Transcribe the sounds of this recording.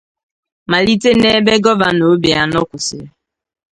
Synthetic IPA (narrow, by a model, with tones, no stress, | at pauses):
ma˨li˦te˦ne˦be˦ɡɔ˦ba˨no˨˦bi˨a˦nɔ˦kʷʊ˨sɪ˨˦